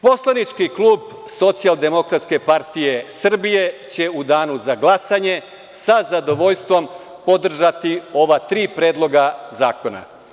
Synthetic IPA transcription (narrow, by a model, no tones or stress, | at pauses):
po̞slˠanit͡ʃkikluːb | so̞t̪sialˠd̪e̞mo̞kɾat̪ske̞paɾt̪ije̞sr̩bije̞t͡ɕe̞ud̪aːnuzaɡlˠasaɲe̞ | sazad̪o̞ʋo̞ʎst̪ʋo̞m | po̞d̪r̩ʒat̪io̞ʋat̪ɾiːpɾeːd̪lˠo̞ɡazaːko̞na̰